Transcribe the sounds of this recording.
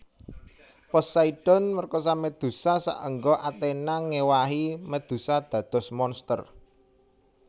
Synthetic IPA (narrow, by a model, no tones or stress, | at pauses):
pɔsaiɖ̥ɔ̤nmərkɔs̬amed̪̥ṳsasa̰ʔəŋɡɔʔat̪enaŋewaɦiməd̪̥ṳsad̪̥ä̤d̪̥ɔ̤smɔnst̪ər